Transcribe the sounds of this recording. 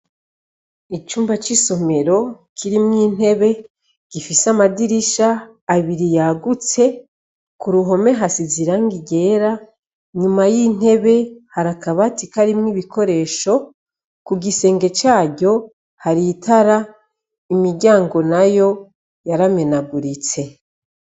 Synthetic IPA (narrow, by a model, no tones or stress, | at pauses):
it͡ʃuːmbat͡ʃiso̞me̞ɾo̞ | kʰiɾimŋiːn̥he̞βe̞ | ɡ̥ifisamadiɾiʃaː | βiɾijaɡut͡se̞ | kuɾuɦo̞me̞ɦasiziɾaŋɡiɡe̞ːɾa | ɲumajin̥e̞βe̞haɾakaβatikaɾimŋiβikʰo̞ɾe̞ːʃo̞ | kuɡise̞ːŋɡe̞t͡ʃaːɟo̞ | haɾitʰaɾa | imiɾɟaːŋɡo̞najo̞ | jaɾame̞naɡuɾit͡se̞